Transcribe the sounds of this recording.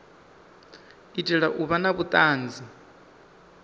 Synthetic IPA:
itʼɛɺaʔuβanaβut̪ʼaːnd͡zi

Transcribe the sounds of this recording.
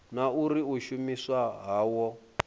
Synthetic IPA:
nauɾiuʃumiswaɦaːwɔ

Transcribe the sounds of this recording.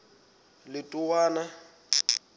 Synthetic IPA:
lɪtʼʊwaːna

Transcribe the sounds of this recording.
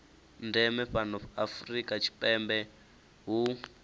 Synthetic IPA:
ndɛmɛɸanɔɸafrikʼat͡ʃʰi̥pʼɛmbɛ | ɦu

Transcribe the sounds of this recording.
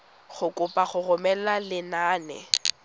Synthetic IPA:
χʊkʼʊpʼaχʊrʊmɛlalɪnaːnɛ̰

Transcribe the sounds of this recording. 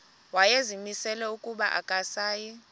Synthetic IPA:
wajezimisɛlɛukʼuɓaʔa̰kʼasaːji

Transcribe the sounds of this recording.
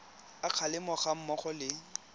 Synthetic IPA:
aq͡χʰalɪmɔχam̩mɔχɔlɪ

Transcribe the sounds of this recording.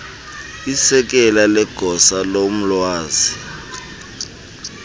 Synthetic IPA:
isɛk̬ʼɛlalɛɡ̥ʱɔsalom̩lwaːzi

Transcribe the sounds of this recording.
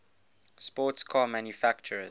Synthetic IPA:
spɔːˑtskʰaːmãnjufakt͡ʃəɹə

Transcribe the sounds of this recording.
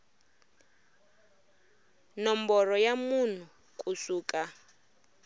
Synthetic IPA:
nɔmbɔrɔjamun̤u | kʼusuːkʼa

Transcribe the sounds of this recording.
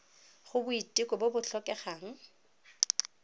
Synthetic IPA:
χʊbʊitʼikʼɔbobʊɬɔkʼɛχaːŋ̩

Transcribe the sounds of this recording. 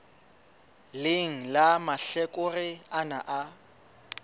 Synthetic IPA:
lɪŋ̩lamaɬɛkʼʊrɪana̰ʔa

